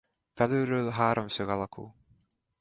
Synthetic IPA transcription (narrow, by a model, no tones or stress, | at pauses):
fɛløːɾøːlɦaːɾomsøɡɑlɒkʰṵː